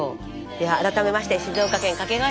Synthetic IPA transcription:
o | jaːɾat̪ame̞maɕi̥t̪e̞ɕizoːkakẽ̞ŋkake̞ɡa

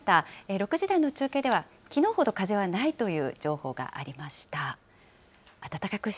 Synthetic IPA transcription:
t̪aeɾo̞kɯ̟ʑid̪aino̞t͡ɕɨːke̞d̪e̞β̞a | kʲino̞ːho̞d̪o̞kaze̞βanait̪o̞jɯ̟ːd͡ʑo̞ːho̞ːɡa̰ʔa̰ɾʲimaɕi̥t̪a | at̪at̪akakɯ̟ɕ

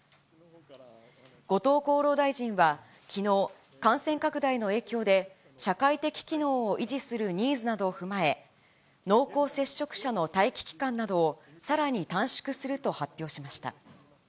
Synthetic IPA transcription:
ɡ̥o̞t̪o̞ːko̞ːɾo̞ːd̪aiʑĩɰ̃βa | kʲino̞ː | kãɰ̃sẽ̞ŋkakɯ̟d̪aino̞e̞ːkʲo̞ːd̪e̞ | ɕakait̪e̞kʲi̥kʲino̞ːʔiʑisɨɾɯ̟ɲ̟iːzɨnad̪o̞ːɸɯ̟mae̞ | no̞ːko̞ːse̞ɕːo̞kɯ̟̥ɕano̞t̪aikʲi̥kʲi̥kãnːad̪o̞ːsaɾaɲ̟it̪ãɰ̃ɕi̥kɯ̟sɨɾɯ̟t̪o̞hapʲːjo̞ːɕimaɕi̥t̪a̰

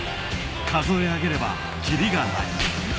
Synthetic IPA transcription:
kas̬ʰoehaɡeɾe̞ba̰ | t͡ɕiɾiɡana̰

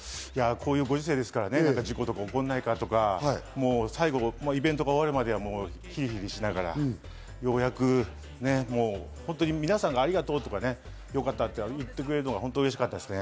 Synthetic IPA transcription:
jakʰo̞ːjɯːɡo̞ʑɨs̬e̞ːd̪e̞sɨ̥kaɾanenãŋkad͡ʑiko̞t̪o̞kaokõ̞nːaikat̪o̞kamo̞ːsaiɡo̞maibẽ̞nt̪o̞ɡaoβaɾɯ̟mad̪e̞βamo̞ː | çiɾʲiçiɾʲiɕinaɡaɾa̰ | jo̞jakɯ̟ | ne̞moː | hõ̞nt̪oɲ̟imʲinasãŋɡaːɾʲiɡat̪o̞ːt̪o̞kane | jo̞kat̪ːat̪ːeɯt̪ːe̞k̬ɯɾe̞ɾɯno̞ɡaɦõ̞nt̪oɯɾeɕi̥kat̪ːad̪e̞sɨne̞

